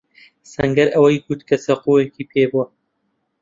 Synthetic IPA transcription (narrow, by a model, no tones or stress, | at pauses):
sɐŋɡɐɾʔɐwɐjɡut̪kʰɐsɐquːekiːpʰeːbuwɐ